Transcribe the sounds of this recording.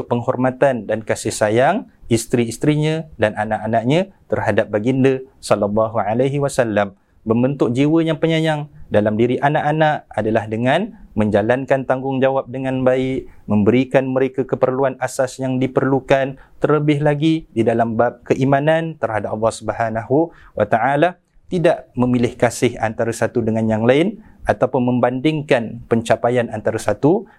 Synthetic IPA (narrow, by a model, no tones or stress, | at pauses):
ʊʔpəŋhɔrmat̪andankasɪhsajaŋist̪ɾiist̪ɾiɲãdananaʔanaʔɲãt̪ərɦadap̚baɡindəsɔlalːɑɦuʕalaɦiwasalːam | bəmbənt̪ʊʔ̚d͡ʒiwəjaŋpəɲajaŋdalamdiɾiʔanaʔanaʔadalahdəŋanmə̃ɲd͡ʒalankant̪aŋɡʊŋd͡ʒawap̚dəŋãnbaɪʔmə̃mbəɾikanməɾekakəpərluanasasjaŋdipərlukant̪ərləbɪɦlaɡididalambap̚kəʔimãnant̪ərɦadap̚ɑlːɑhsubəhanaɦuwʔat̪aʔala | t̪idaʔmə̃milɪhkasɪha̰nt̪aɾasat̪udəŋanjaŋlaɪnʔat̪awpʊnmə̃mbandɪŋkanpəɲt͡ʃapajanant̪aɾasat̪u